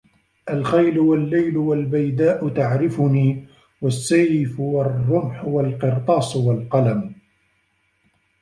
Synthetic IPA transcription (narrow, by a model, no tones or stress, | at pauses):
ʔalxajlʊwalːajlʊwalbajd̪aːʔʊt̪aʕɾɪfʊniː | wasːajɪfwɑrrːʊmħʊwalqɨɾt̪ˤɑːsˤwalqɑlam